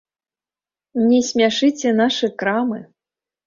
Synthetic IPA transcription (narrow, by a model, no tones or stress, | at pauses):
nʲɛsʲmʲaʂɨt͡sʲɛnaʂɨkɾamɨ